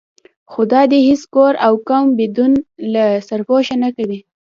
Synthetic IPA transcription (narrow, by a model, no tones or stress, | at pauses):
xod̪ɑd̪ehiskoɾawkambed̪unlasaɾpoʃanakawi